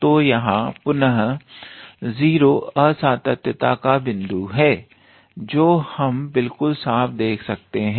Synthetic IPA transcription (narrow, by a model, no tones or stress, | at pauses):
t̪oːjɐɦãpʊnɦ | ziːɾoːɐsaːt̪ət̪jət̪akabɪ̃nd̪uɦɛː | d͡ʒoːhɐmbɪlkʊlsaːfʰd̪eːkʰsɐk̚t̪eɦɛ̃